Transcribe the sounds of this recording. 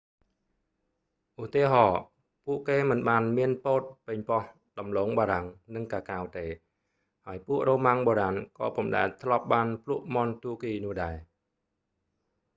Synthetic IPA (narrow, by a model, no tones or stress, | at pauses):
ʔut̪iəɦɑː | puəʔkeːmɨnɓaːnmiənpoːt̪̚pɨɲpɑh | ɗɑmloːŋɓaːɾaŋnɨŋkaːkaːwt̪eː | haəjpuəʔroːmaŋɓoːɾankɑːpŭmɗa̰ɛlt̪ʰlŏəp̚ɓaːnpʰluəʔmont̪uəkiːnʊ̆əhɗaɛ